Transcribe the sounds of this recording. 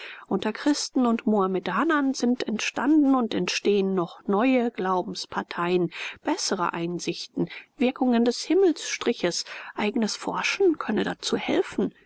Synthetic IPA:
ʔʊntɐkʁ̥ɪstn̩ʊntmoamɛdaːnɐnzɪntʰɛntʃtandn̩ʊntɛntʃteːənːɔχnɔʏəɡ̥laʊbm̩spʰaɐtʰaɪənb̥ɛsəʁə̰ʔaɪnzɪçtn̩vɪɐkʊŋəndɛshɪml̩sʃtʁ̥ɪçəsʔaɪɡənəsfɔ̰ɐʃn̩kʰœnədat͡suːhɛ̰lfn̩

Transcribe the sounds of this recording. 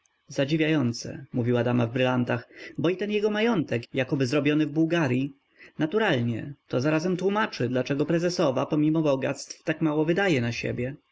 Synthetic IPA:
zad͡ʑivʲjajɔnt̪sɛ̰muvʲiwad̪amavbɾɘlant̪axbɔit̪ɛnjɛɡɔmajɔnt̪ɛkjakɔbɘzɾɔbʲjɔnɘvbuwɡaɾʲji | nat̪uɾalɲɛ̰t̪ɔzaɾazɛmt̪wumat͡ʂɘd̪lat͡ʂɛɡɔpɾɛzɛsɔva̰pɔmʲimɔbɔɡa̰t̪st̪ft̪akmawɔvɘd̪ajɛnaɕḛbʲjɛ

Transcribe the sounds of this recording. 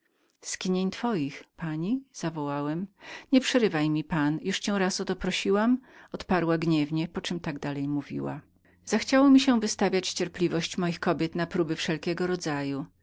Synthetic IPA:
skʲiɲeɲt̪fɔjixpaɲiz̥avɔwawɛmɲɛpʂɛɾɘvajmʲipanjuʂt͡ɕɛw̃ɾasɔt̪ɔpɾɔɕiwamɔt̪paɾwaɡɲɛvɲɛpɔt͡ʂɛmt̪aɡd̪alɛjmuvʲḭwa̰ | zaxt͡ɕawɔmʲiɕɛvɘst̪avʲjat͡ɕt͡ɕɛɾplʲivɔɕt͡ɕmɔjixkɔbʲjɛt̪napɾubɘfʂɛlkʲɛɡɔɾɔd̪zaju

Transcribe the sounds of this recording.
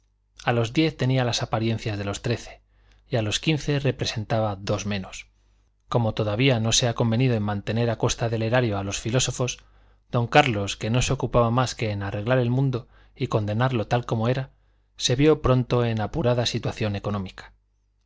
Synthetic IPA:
alo̞zðje̞θt̪e̞nialasapaɾje̞n̟θjazðe̞lo̞st̪ɾe̞θe̞̥ | ialo̞skinθe̞re̞pɾe̞se̞nt̪aβaðo̞zmẽ̞no̞s | ko̞mo̞t̪o̞ðaβ̞iano̞se̞ako̞mbe̞niðo̞e̞nmãnt̪e̞ne̞ɾako̞st̪aðe̞le̞ɾaɾjo̞alo̞sfilo̞so̞fo̞s | d̪̥o̞ŋkaɾlo̞ske̞no̞se̞okupaβamaske̞ːnare̞ɣlaɾe̞lmũnd̪o̞ | iko̞nd̪e̞naɾlo̞t̪alko̞mo̞e̞ɾa | se̞βjo̞pɾo̞nt̪o̞e̞napuɾaðasit̪waθjo̞ne̞ko̞nõ̞mikḁ

